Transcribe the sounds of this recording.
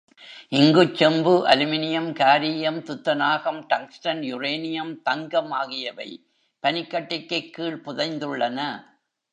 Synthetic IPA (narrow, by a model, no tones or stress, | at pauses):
ʔɪŋɡɯt͡ʃːɛmbɯʔɐ̰lɯmɪnɪjɐmkaːɾijɐmt̪ʊt̪ːɐnaːɣɐmʈɐŋksʈɐnjʊreːnɪjɐmt̪ɐŋɡɐmaːɣɪjɐʋɐ̰ɪ | pɐnɪkːɐʈːɪkːɐkːiːɭpʊðɐɪnd̪ɯɭːɐnɐ